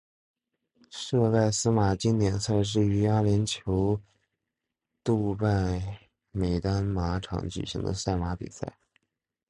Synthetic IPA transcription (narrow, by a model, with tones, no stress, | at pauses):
ʂɤ˥˧ka˥˩ɪsɹ̩˥ma˨˩t͡ɕi˥nt̪jɛ˨˩nsa˥˧ɪʂ̬ɻ̩˥˩y˧˥ja˥lɛ˧˥nt͡ɕʰjo˧˥ʊ | t̪u˥˧pa˥˩ɪ | me˨˩ɪt̪a˥nma˧˥ʈ͡ʂʰɑ̰˧˥ŋt͡ɕy̰˨˩ɕḭ˧˥ŋd̪ə̰˧sa˥˩ɪma˧˥pḭ˨˩sa̰˥˩ɪ